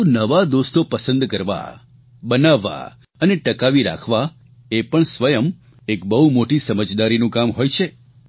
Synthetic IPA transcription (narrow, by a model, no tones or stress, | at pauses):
ũnəʋad̪ost̪opəsə̃nd̪kəɾʋa̰ | bənaʋːa̰ | əneʈəkaʋiɾa̰kʰʋa | epəɳsʋəjəm | ekbəɦumoʈisəməd͡ʒd̪aɾinũkamɦojt͡ʃʰe